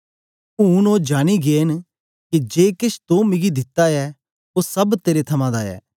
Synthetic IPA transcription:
ũnoːd͡ʒaːñiɡeːn | kid͡ʒeːkɪt͡ʃʰt̪õmɪɡid̪ɪt̪ːaɛ | osɐbt̪eːɾet̪ʰɐmãd̪aːɛ̰ː

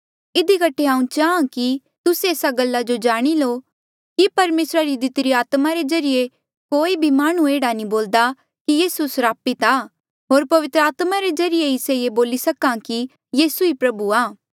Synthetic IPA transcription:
ɪd̪ikɐʈʰeãːũt͡ʃaːãki | t̪ʊseeːsaɡɐlːad͡ʒod͡ʒaːɽ̃iloː | kipɐɾmeːsɾaɾid̪ɪt̪ɾiaːt̪maɾezɐɾɪje | koːibʱimaːɽ̃ueːɽaniboːld̪a | kijiːsusɾaːpit̪aː | ɦoːɾpɐʋɪt̪ɾəaːt̪maɾezɐɾɪjeɪsejeboːlisɐkãki | jiːsuipɾɐbuaː

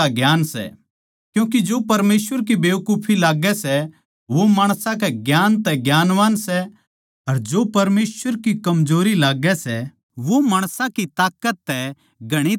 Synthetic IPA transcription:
aɡjaːnsɛ̰ | kjũːkid͡ʒoːpɐɾmeːsʋəɾk̬ibeːʋkuːpʰilaːɡɛsɛ | ʋomaːɽ̃sãkɛɡjaːnt̪ɛɡjaːnʋaːnsɛ | ɐɾd͡ʒoːpɐɾmeːsəɾkikɐmd͡ʒoːɾilaːɡɛsɛ | ʋomaːɽ̃sãkit̪aːkət̪ːɛ | ɡʱɐɽ̃i

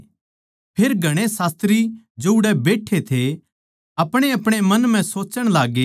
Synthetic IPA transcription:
pʰeːɾɡʱɐɽ̃esaːst̪ɾi | d͡ʒoːʊɽɛbeːʈʰːet̪ʰe | ɐpɽ̃eɐpɽ̃emɐnm̤ɛ̃soːt͡ʃəɽ̃laːɡeː

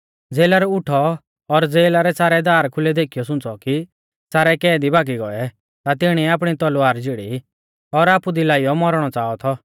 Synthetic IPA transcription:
d͡zeːlaɾɔʊʈʰɔː | ɾd͡zeːlaɾɛsaːɾɛd̪aːɾkʰʊlɛd̪eːkʰijɔsʊ̃t͡sɔki | saːɾɛkɛːd̪ibʱaːɡiɡɔɛ | t̪at̪ɪɽ̃iaːp̬ɽ̃it̪ɔlʊaːɾd͡ʒɪɽḭ | ɔɾaːpud̪ilaːijɔmɔɾɽ̃ɔt͡saːɔt̪ʰɔ

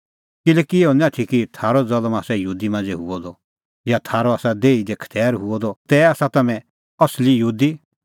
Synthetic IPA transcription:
kɪlɛkieɔnãʈʰikit̪ʰaːɾɔd͡zɐlmaːsɛjuːd̪imãːnd͡zɛɦʊɔd̪ɔ | jat̪ʰaːɾɔaːsad̪eːid̪ekʰə̥t̪ʰɛːɾɦʊɔd̪ɔt̪ɛaːsat̪ɐmɛ̃ | ɐslijuːd̪i

